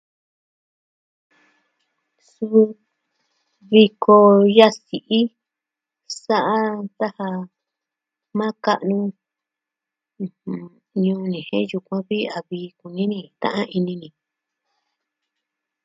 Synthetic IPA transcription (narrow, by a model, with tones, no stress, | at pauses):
su˧u˧ | βi˧ko˧ja˦si˨ʔi˦ | sa˦ʔa˦t̪a˦ha˧ | mã˦ka˦ʔnũ˧ | hũ˨ | ɲũː˧nĩ˨hḛ̃˦ju˧kʷã˦βi˦a˨βiː˧ku˨nĩ˦nĩ˧t̪ã̰˦ʔã˦ʔi˧nĩ˧nĩ˨